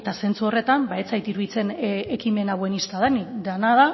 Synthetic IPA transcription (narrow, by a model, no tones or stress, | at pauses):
t̪ase̞nt͡suo̞re̞t̪ambae̞t͡sajt̪iɾuβit͡se̞nekime̞naβe̞nist̪aðanid̪anaða